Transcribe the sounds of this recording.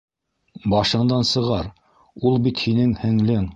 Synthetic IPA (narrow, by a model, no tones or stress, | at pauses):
bɑʃɤ̆ɴd̪ɑnsɤ̆ʁɑɾ | ulˠbit̪hinɘŋhɘ̆ŋlɘŋ